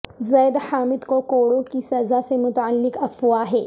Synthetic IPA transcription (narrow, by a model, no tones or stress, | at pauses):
zɐːd̪haːmɪd̪kokoːɽõkisɐzasemʊt̪əlːɪkɐfuaːɦeː